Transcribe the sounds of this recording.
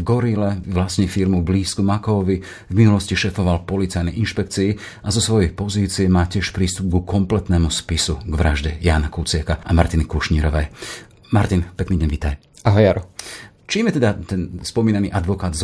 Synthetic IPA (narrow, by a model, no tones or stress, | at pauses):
vɡɔɾilɛʋlasɲɛfiɾmubliːskumakɔʋi | vminulɔsciʃɛːfɔʋalpɔlit͡sajnɛʔinʃpɛk̚t͡siː | azɔsʋɔjɛjpɔziːt͡siɛmaːcɪɛʃpɾiːst̪ub̚ɡukɔmplɛt̪nɛːmuspisuɡʋɾaʒɟɛjaːnakut͡sɪakaʔamaɾt̪inikuʃɲiːɾɔʋɛj | maɾt̪inpɛkniːɟɛnʋiːt̪aj | aɦɔjaɾɔ | t͡ʃiːmjɛt̪ɛd̪at̪ɛnspɔmiːnaniːʔad̪ʋɔkaːd̪z